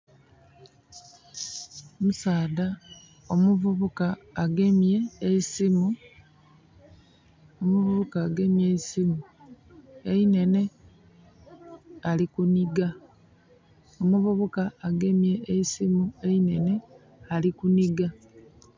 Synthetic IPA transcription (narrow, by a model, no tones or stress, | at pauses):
musaːda | omuvuβukaːɡe̞mje̞ːsimu | omuβuβukaːɡe̞mjeisimu | e̞ine̞ne̞ | alikuniɡa | omuβuβukaːɡe̞mje̞eisimue̞ine̞ne̞ | alikuniɡa